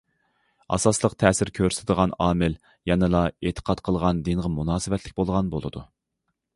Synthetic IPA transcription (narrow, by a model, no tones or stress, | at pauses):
ɑ̰sɑslˠəqt̪ʰɛːsɪɾkʲʰøɾsʰɪd̪əʁɑnɑːmɪl | jɑnɨlˠɑet̪ʰə̥qʰɑt̪qʰəlˠʁɑnd̪inʁəmunɑːsɨvɛt̪ʰlɪkʲbolˠʁɑnbolˠɨ̰d̪u